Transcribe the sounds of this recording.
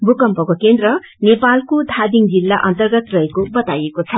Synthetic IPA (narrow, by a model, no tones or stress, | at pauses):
bʱukʌmpʌkokend̪ɾʌ | nepalkod̪ʱad̪iŋd͡zilːaʔʌnt̪ʌrɡʌt̪rʌekobʌt̪ajekot͡sʰʌ